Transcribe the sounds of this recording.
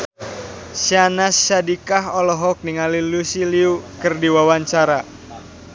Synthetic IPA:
sianasːadikaɦɔlɔɦɔk̚niŋalilusiliukɨrdiwawaɲt͡ʃaɾa

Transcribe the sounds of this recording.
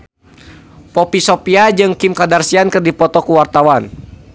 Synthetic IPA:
pɔpisɔpiad͡ʒɨŋkimkadarsiankɨrdipɔt̪ɔkuwart̪awan

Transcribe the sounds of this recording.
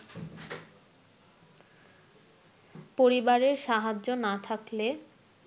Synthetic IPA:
poɾibaɾeɾʃaɦad͡ʑʑonat̪ʰakle

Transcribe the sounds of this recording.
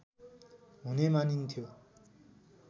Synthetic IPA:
ɦunemanint̪ʰjo

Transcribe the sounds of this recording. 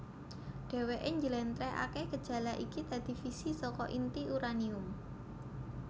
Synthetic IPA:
ɖ̥e̤weʔɪɲd͡ʒəlɛnt̪ɾɛa̰kehɡ̥əd̥ʒ̥ä̤laʔikit̪ad̪̥i̤fisisɔkɔʔint̪iʔuɾaniʊm

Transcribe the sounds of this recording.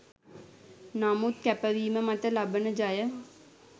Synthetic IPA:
naːmut̪̚kɛpəʋiːmə̃mɐt̪əlabənəd͡ʒaːjə

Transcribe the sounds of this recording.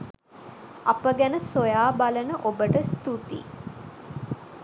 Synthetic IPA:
apəɡænəsojaːbalənəʔobəʈəst̪ut̪ḭ

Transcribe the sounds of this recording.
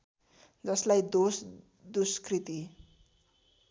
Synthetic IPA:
d͡zʌslajd̪os | d̪uskrit̪i

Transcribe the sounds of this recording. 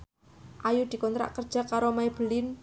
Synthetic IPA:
ʔajud̪̥i̤kɔnt̪ɾa̰ʔkərd̥ʒ̥akaɾomajb̥əlɪn

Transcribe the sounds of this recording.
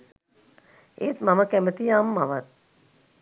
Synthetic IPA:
eːt̪maməkæmət̪ijaːmːaʋat̪̚

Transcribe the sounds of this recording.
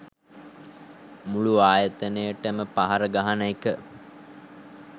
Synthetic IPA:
muɭuaːjət̪ənejəʈəməpaɦaɾəɡaɦanəikə

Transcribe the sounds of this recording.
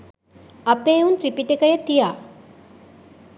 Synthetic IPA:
ɐpeːunt̪ɾipiʈekəjət̪ijaː

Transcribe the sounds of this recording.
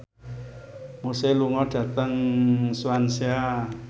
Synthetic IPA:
moseluŋɔɖ̥ä̤t̪əŋsuansea

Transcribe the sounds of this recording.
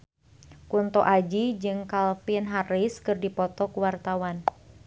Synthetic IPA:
kunt̪ɔʔad͡ʒid͡ʒɨŋkalfinɦariskɨrdipɔt̪ɔkuwart̪awan

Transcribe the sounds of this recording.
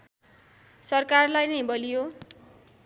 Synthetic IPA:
sʌrkarlajnʌjbʌlijo

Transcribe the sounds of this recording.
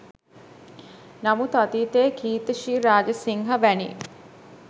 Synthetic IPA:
namut̪at̪iːt̪eːkʰiːt̪əʃiːɾaːd͡ʒəsiŋɦabænḭ

